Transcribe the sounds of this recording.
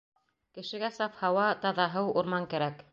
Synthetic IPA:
kɘ̆ʃɘ̆ɡæsɑfhɑwɑt̪ɑðɑɦɤwuɾmɑŋkæɾæk

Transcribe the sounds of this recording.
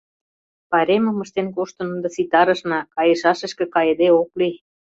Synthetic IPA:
pɑɾemə̆mə̆ʃt̪enkoʃt̪ɤ̆nund̪ɤ̆sit̪ɑɾɤ̆ʃnɑkɑjĕʃɑʃə̆ʃkĕkɑjĕd̪eokli

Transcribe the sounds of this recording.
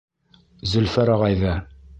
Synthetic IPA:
zɵ̆lfæɾɑʁɑjðɑ

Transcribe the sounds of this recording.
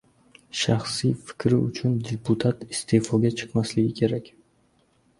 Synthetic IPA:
ʃaχsijfɪ̥kʲɾɪʊt͡ʃʰʊnd̪ʲepʰut̪ʰat̪ist̪ʰe̞folˠɡʲat͡ʃʰɨ̥qmaslɪɡʲɪkʲʰe̞ɾakʲ

